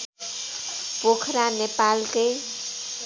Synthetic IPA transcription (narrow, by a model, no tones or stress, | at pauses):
pokʰɾanepalkʌj